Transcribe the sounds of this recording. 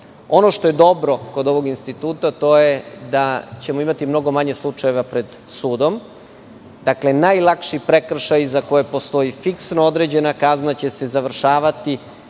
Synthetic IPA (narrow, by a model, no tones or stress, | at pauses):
o̞noʃt̪oje̞d̪o̞bɾo̞ko̞d̪o̞ʋo̞ɡinst̪it̪uːt̪at̪o̞jed̪at͡ɕe̞mo̞imat̪imno̞ɡo̞maɲe̞slˠut͡ʂaje̞ʋapɾe̞d̪ | suːd̪o̞m | d̪akle̞najlˠakʃipɾe̞kr̩ʃajzako̞je̞po̞st̪o̞ifiksnood̪ɾe̞d͡ʑe̞nakaznat͡ɕe̞se̞zaʋr̩ʃaːʋat̪i